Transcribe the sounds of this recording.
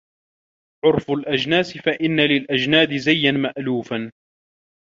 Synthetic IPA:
ʕʊɾfʊlʔad͡ʒnaːsɪfaʔɪnːalɪlʔad͡ʒnaːd̪ɪzajːanmaʔluːfan

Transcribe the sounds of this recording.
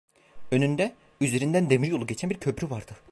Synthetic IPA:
ønynd̪ɛ | yze̞ɾind̪ænd̪emiɾjo̞lˠuɟet͡ʃʰænbiɾcʰøpɾyvaɾd̪̥ɯ

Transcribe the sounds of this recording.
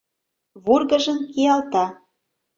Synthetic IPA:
βurɣə̆ʒə̆mkijɑlt̪ɑ

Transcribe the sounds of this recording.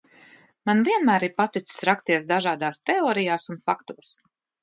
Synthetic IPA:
manviɛnmæːɾiɾpat̪it̪ssɾakst̪iɛsd̪aʒaːd̪aːst̪ɛoːɾijaːsunfakt̪uɔs

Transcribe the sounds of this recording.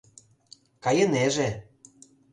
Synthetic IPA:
kɑjeneʒe

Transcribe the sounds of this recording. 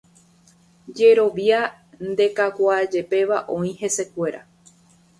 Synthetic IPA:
d͡ʒe̞ɾo̞ʋia | nd̪e̞kakʷad͡ʒe̞pe̞ʋaʔõ̞ĩhe̞se̞kʷe̞ɾa̰

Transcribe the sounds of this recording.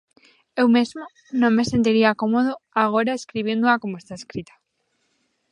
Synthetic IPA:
ewmezmo | nõŋmesent̪iɾiakomoð̞oaɣ̞oɾaeskɾiβ̞jend̪oakomoest̪aeskɾit̪ḁ

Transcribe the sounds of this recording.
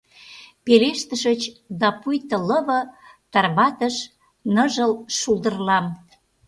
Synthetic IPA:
peleʃt̪əʃət͡ɕd̪ɑpujt̪ə̆ləβɤ̆t̪ɑrβɑt̪əʃ | nəʒəlʃulˠd̪ərlɑm

